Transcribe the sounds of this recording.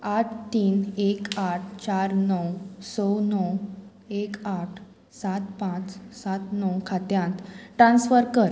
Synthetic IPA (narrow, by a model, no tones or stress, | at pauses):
aʈʰt̪iːnekaʈ̚ʰt͡ɕaɾnɔwsɔwnɔw | ekaʈʰ | sat̪pãt͡ssat̪nɔwkʰat̪jãnt̪ʈɾãnsfəɾkəɾ